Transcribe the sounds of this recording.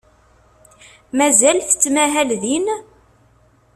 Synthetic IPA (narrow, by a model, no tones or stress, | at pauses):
mæzælθə̥t͡sːmæɦælðin